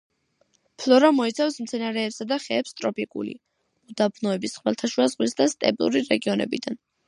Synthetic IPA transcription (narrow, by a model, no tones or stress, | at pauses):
pʰlɔɾamɔit̪sʰafsmt̪sʰɛnaɾɛːpsad̪aχɛːpst̪ʼɾɔpikʼṵlḭ | mud̪abnɔɛbisχwɛlˠt̪ʰaʃwazʁwisd̪ast̪ʼɛ̰bʼlṵɾiɾɛɡiɔnɛ̰bid̪an